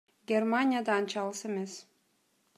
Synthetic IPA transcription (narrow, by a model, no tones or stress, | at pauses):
ɡʲeɾmanʲijad̪ɑːnt͡ʃɑlˠɯsemes